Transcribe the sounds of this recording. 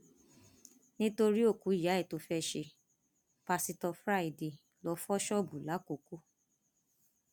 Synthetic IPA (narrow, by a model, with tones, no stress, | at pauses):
nĩ˦to˧ɾi˦o˦˨ku˨˦i˦˨ja˨˦ɛ˦˨to˨˧fɛ˦ʃe˧ | pa˧si˧tɔ˧fɾa˦˨i˨de˨ | lɔ˧˦fɔ˦ʃɔ˦˨bũ˨la˨˦ko˨ku˦